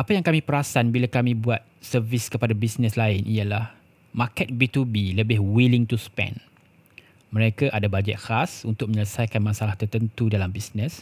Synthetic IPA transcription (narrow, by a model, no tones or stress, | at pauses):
ʔapajaŋkamĩpəɾasanbilakamĩbuat̪̚sərviskəpadabisnɛslaɪnʔijalah | makɛt̪̚bit̪ubiləbɪhwilɪŋt̪uspɛ̰̃n | mə̃ɾekaʔadabad͡ʒɛ̰t̪̚hasunt̪ʊk̚məɲələsajkanmãsalaht̪ərt̪ənt̪udalambisnə̃s